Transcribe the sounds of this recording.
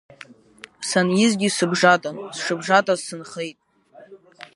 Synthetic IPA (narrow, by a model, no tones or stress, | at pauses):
sanjɪzɡʲɪsɨbʐatʼansʂɨbʐatʼazsɨnχejtʼ